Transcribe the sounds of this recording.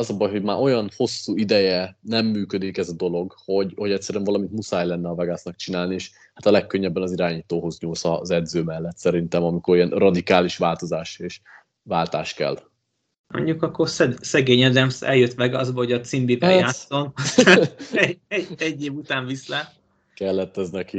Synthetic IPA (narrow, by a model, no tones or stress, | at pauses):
ɒzɒbɒjɦo̞ɟmaːʔo̞jɒnho̞sːuːid̪ɛjɛnɛmːyːkød̪ikɛzɒd̪o̞lo̞ɡho̞ɟho̞ɟɛct̪sɛɾyɛɱvɒlɒmint̪musaːjlɛnːɛɒvɛɡasnɒk̚t͡ʃinaːlnieːʃ | hat̪ɒlɛkːøɲːɛbːɛnɒziɾaːɲiːt̪oːɦo̞zɲuːlsɒ̰zɛd̪zøːmɛlːɛt̪sɛɾint̪ɛmɒmiko̞ɾijɛnrɒd̪ikaːliʃʋaːlt̪o̞zaːʃeːʃ | vaːlt̪aːʃkɛ̰l | mo̰ɲɟukɒkːorsɛsɛɡeːɲɛd̪ɛmsɛ̰ljøt̪ʋɛɡɒzbɒɦoɟɒt̪simbivɛason | ɛɛɟːeːvut̪aːɱvislɛ | kɛlːɛt̪ːɛznɛki